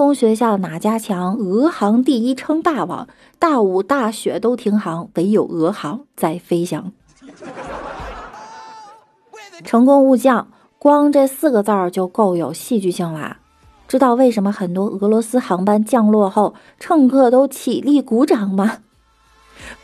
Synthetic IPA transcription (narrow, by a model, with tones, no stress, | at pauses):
ʊ˥ŋɕɥɛ˧˥ɕ̬ja˥˩ə˩na˨˩t͡ɕja˥t͡ɕʰjɑ˧˥ŋɤ˧˥xɑ˧˥ŋt̪i˥˩i˥ʈ͡ʂʰɤ˥ŋt̪a˥˩wɑ̰˨˩˦ŋ | t̪a˥˩u˨˩t̪a˥˩ɕɥɛ̰˧˥t̪o˥ʊt̪ʰi˧˥ŋxɑ˧˥ŋwe˧˥ɪjo˨˩ʊɤ˧˥xɑ˧˥ŋt͡sa˥˩ɪfe˥ɪɕjɑ˧˩ŋ | ʈ͡ʂʰɤ˧˥ŋkʊ˥ŋu˥˧t͡ɕjɑ˥˩ŋ | kwɑ˥ŋʈ͡ʂɤ˥˧sɹ̩˥˩ɡə˩t͡sɑ˥˩t͡ɕjo˥˧ʊko˥˩ʊjo˨˩ʊɕi˥˧t͡ɕy˥˧ɕi˥˩ŋla̰˨˩ | ʈ͡ʂɻ̩˥t̪ɑ˥˧ʊwe˥˩ɪʂ̬ə˧˥nmə˧xə˨˩nt̪wɔ˥ʔɤ˧˥lwɔ˧˥sɹ̩˥xɑ˧˥ŋpa˥nt͡ɕjɑ˥˧ŋlwɔ˥˧xo˥˩ʊ | ʈ͡ʂʰɤ˥˧ŋkʰɤ˥˩t̪o˥ʊt͡ɕʰi˨˩li˥˩ku˧˥ʈ͡ʂɑ˨˩ŋmɐ˧